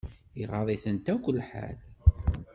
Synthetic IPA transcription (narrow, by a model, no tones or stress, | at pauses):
iʁɑðˤiθənt̪ækʷəlːħa̰l